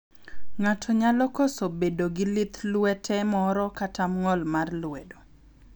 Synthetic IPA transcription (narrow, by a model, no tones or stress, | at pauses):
ŋatʰɔɲalɔkosobedoɡɪlɪt̪lwɛtʰɛmɔɾɔkatʰamŋɔlmarlwɛdo